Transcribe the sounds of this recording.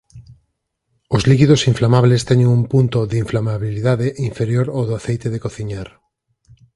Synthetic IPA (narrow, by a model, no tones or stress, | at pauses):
ozlikiðosiɱflamaβlest̪ɛɲeŋumpunt̪oðiɱflamaβiliðaðeʔiɱfeɾjoɾoðoaθejt̪eðekoθiɲaɾ